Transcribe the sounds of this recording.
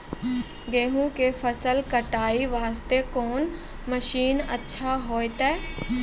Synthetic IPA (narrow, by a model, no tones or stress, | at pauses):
ɡeːɦũkefʰəsəlkəʈaːiʋaːst̪ekoːn | məʃiːnə̰tːʃʰaɦoːet̪eː